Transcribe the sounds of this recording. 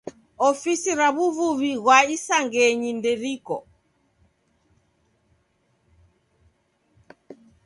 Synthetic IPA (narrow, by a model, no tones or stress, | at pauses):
ɔfisiɾaβuvuβiɣwaisaŋɡɛɲindɛɾikɔ̰